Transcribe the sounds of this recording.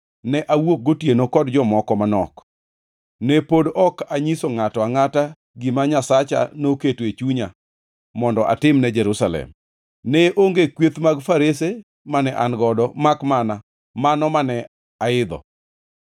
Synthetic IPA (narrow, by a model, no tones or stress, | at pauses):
nɛʔawok̚ɡotjenokɔdd͡ʒɔmɔkɔmanɔk | nɛpodɔkaɲisoŋatɔaŋata | ɡɪmaɲasat͡ʃa̰noketwet͡ʃuɲa | mɔndɔʔa̰tɪmnɛd͡ʒɛɾusalɛ̰m | nɛʔoŋɡekwet̪maɡfaɾese | manɛʔanɡɔdɔmakmana | manɔmanɛ | aɪd̪ɔ̰